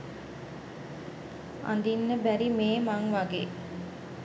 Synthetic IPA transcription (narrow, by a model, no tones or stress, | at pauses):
ʔa̰nd̪inːəbæɾimeːmaŋʋaɡḛː